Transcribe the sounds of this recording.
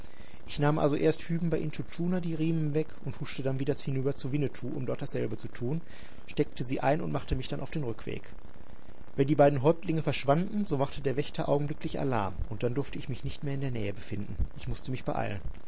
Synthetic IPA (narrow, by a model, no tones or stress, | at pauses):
ʔɪçnaːmʔa̰lzoʔeːɐsthyːbm̩baɪʔɪntut͡ʃuːnadiːʁiːmənvɛkʊnthʊʃtədanviːdɐhɪnyːbɐt͡suvɪnətʰuːʔʊ̰mdɔɐt̚d̥asz̥ɛlbət͡sutʰuːn | ʃtɛk̚təziːʔa̰ɪnʊntmaχtəmɪçd̥anʔaʊfd̥eːnʁʏkv̥ḛːk | vɛndiːbaɪdn̩ɦɔʏp̚tlɪŋəfɛɐʃv̥andn̩zoːmaχtədeːɐvɛçtɐʔaʊɡŋ̩blʏklɪça̰la̰ɐmʔʊnt̚d̥andʊɐftəɪçmɪçnɪçtmeːɐɪndeːɐnɛ̰ːəbəfɪndn̩ʔɪçmʊstəmɪçb̥əʔa̰ɪlən